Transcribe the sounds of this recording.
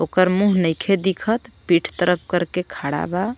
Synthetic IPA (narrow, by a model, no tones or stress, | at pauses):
okəɾmuɦnəjkʰed̪ikʰət̪piʈʰt̪əɾəp̚ʰkəɾkekʰaɽa̰ba